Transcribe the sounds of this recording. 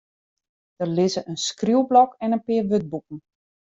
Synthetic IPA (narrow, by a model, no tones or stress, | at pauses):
d̥ərlɪzəʔənskrulblɔkɛnənpɪːrʋøt̚buk̚n̩